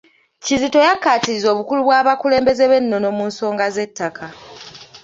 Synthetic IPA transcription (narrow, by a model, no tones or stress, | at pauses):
cizito̞jakːaːtiɾizo̞ːβukuluβwaːβakule̞ːmbe̞ze̞βe̞nːo̞no̞muːnso̞ːŋɡaze̞tːakʰa